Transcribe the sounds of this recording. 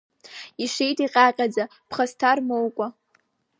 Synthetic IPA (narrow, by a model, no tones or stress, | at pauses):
iʂejtʼiqʲʼaqʲʼad͡za | pʰχastʰarmowkʷʼa